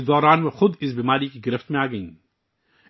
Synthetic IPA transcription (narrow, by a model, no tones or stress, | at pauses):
d̪ɔːɾaːnmexʊd̪ɪs̬biːmaːɾikiɡɪɾɪft̪mẽaːɡɐḭ̃ː